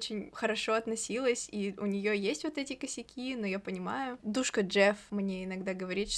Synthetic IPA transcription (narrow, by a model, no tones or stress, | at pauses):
t͡ɕɪnʲxəɾɐʂo̞ɐt̪nɐsʲilˠəsʲiʊnʲɪjojesʲtʲvo̞t̪ɛtʲɪkəsʲɪkʲinojapənʲɪma̰jʊd̪uʂkəd͡ʐɛfmnʲeɪnɐɡd̪aɡəvɐɾʲit̪ʂ